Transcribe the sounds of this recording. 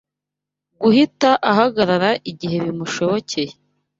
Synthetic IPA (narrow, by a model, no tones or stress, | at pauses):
ɡuhitaʔaɦaɡaɾaɾaʔiɟiɦe̞βimuʃo̞βo̞cʰe̞je